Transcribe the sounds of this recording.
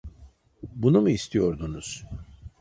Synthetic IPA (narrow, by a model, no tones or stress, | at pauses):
bunumuist̪ʰijo̞ɾd̪unuz̥